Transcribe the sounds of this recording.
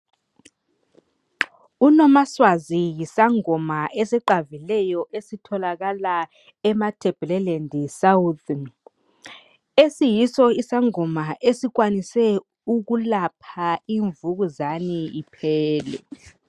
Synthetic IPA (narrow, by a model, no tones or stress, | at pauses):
unɔmaswazijisaŋɔmaʔɛsɛǃavilɛjɔʔesitʰɔlaɣala | ɛmatʰʼɛb̥ʱɛlɛlɛndʱisaut̪ʰ | esijisɔisaŋɔmaʔesik̬wanisɛ | uk̬ulapʰaiɱvuk̬uzaniipʰɛːlɛ̰